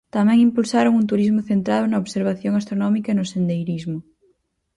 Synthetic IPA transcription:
t̪amɛ̃ŋimpulsaɾoŋunt̪uɾizmoθent̪ɾaðonɐoβseɾβ̞aθjoŋast̪ɾonɔmikɐinosend̪ejɾizmʊ

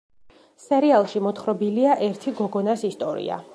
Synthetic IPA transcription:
sɛɾialˠʃimɔt̪χɾɔbiliaʔɛɾt̪ʰiɡɔɡɔnasist̪ʼɔɾḭa̰

